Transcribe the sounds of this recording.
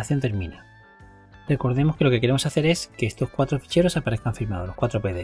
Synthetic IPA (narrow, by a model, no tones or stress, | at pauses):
θjo̞nt̪e̞ɾmĩna | rre̞ko̞ɾðe̞moke̞lo̞keke̞ɾe̞mo̞saθe̞ɾe̞skeest̪o̞skwat̪ɾo̞fi̥t͡ʃe̞ɾo̞sapaɾe̞θkaɱfiɾmaðlo̞hkwat̪ɾo̞pe̞ðe